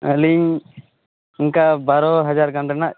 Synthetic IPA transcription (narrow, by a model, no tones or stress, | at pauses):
əliɲ | iŋkabaɾɔɦad͡ʒaɾkaɳɖɛnaʔ